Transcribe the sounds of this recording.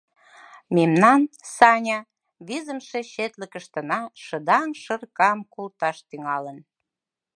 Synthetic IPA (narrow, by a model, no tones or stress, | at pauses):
memnɑnsɑnʲɑ | βizəmʃe̽ɕet̪ləkəʃt̪ə̆nɑʃə̆d̪ɑŋʃə̆rkɑmkolt̪ɑʃt̪yŋɑlən